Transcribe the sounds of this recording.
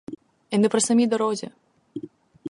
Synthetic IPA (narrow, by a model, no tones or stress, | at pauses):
jɐnɨpɾɐsɐmʲid̪ɐɾɔzʲɛ̰